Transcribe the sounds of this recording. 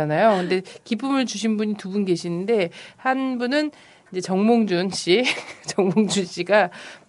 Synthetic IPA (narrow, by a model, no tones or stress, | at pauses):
anajokɯnde̞kip͈umɯɭt͡ɕuɕ̬ʰinbuɲitubunɡe̞ɕʰinɯnde̞hanbunɯn | ind͡ʑe̞t͡ɕʌŋmoŋd͡ʑunɕ͈ʰit͡ɕʌŋmoŋd͡ʑunɕ͈iɡa